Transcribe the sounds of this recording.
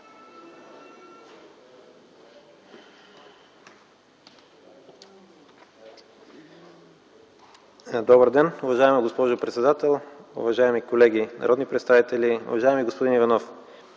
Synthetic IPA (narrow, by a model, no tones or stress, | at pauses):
d̪ɔbəɾd̪ɛnʊvɐʒaɛməɡospɔʒʊpɾɛt̪sɛd̪at̪ɛlˠʊ̰vɐʒaɛmikolɛɡ̟inɐ̰ɾɔd̪nipɾɛt̪st̪avit̪ɛliʊ̰vɐʒaɛmiɡospod̪inivɐnɔf